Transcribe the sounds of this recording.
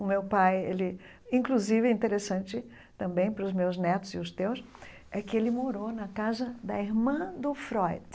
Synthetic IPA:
ʊmewpajḛlɪ | ĩkluzivɪĩt̪eɾesɐ̃nt͡ʃɪ | t̪ɐ̃mbẽj̃pɾʊzmewznɛt̪ʊz̥ɪʊst̪ews | ɛkɪelɪmoɾonɐkazɐd̪ɐiɾmɐ̃d̪ʊfɾɔjd̪

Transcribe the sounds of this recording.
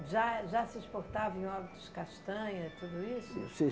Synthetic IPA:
ʒaʒasɪʃpoɾt̪avɐẽj̃ɔɾbit̪uskaʃt̪ɐ̃ɲɐt̪ud̪ʊisʊse

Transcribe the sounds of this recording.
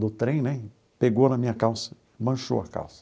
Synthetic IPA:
d̪ʊt̪ɾẽj̃nɛ | peɡownɐmĩɲɐkawsɐ̥ | mɐ̃ʃo̰wɐ̰ka̰wsɐ̥

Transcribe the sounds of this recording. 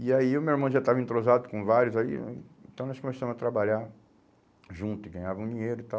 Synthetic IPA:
iaiʊmewiɾmɐ̃w̃ʒat̪avɐẽnt̪ɾozad̪ʊkõvaɾjʊzaḭẽt̪ɐ̃w̃nɔskõmesɐ̃mʊzɐt̪ɾabaʎaɾ | ʒũt̪ʊɪɡɐ̃ɲ̃avɐ̃w̃d͡ʒĩɲejɾʊt̪a

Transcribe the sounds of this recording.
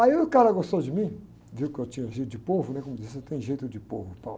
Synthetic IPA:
aiʊkaɾɐɡost̪owd͡ʒɪmĩ | viwʊkɪewt͡ʃĩɲɐʒejt̪ʊd͡ʒɪpovʊnɛkõmʊd͡ʒiset̪ẽj̃ʒejt̪ʊd͡ʒɪpo̰vʊpawl

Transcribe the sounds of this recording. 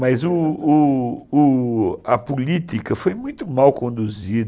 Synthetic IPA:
mɐzʊː | ɐpulit̪ikɐfojmũj̃t̪ʊmawkõnd̪uzid̪

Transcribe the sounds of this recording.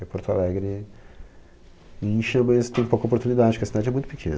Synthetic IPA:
ɛpoɾt̪ʊalɛɡɾɪ | ĩʃɐ̃mɐst̪ẽj̃powkɐopoɾt̪unid̪ad͡ʒɪpʃkeɐsid̪ad͡ʒɪɛmũj̃t̪ʊ̥pi̥kʰḛ̃n

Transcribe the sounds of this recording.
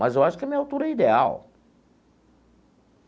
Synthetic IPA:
mɐzewaʃʊkɪɛmĩɲɐawt̪uɾɛid̪ea̰w

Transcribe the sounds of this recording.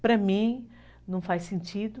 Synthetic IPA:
pɾɐmĩ | nɐ̃w̃fajsẽnt͡ʃid̪ʊ

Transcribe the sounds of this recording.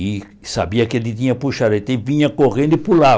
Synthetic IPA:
i | sa̰biɐked̪it̪ĩɲɐpuʃad̪ẽt̪ẽvĩɲɐkoʁẽnd̪ʊipula

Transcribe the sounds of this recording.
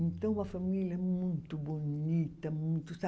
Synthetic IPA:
ẽnt̪ɐ̃w̃umɐfɐmiljɐɛɛmũj̃t̪ʊbonit̪ɐmũj̃t̪ʊsa

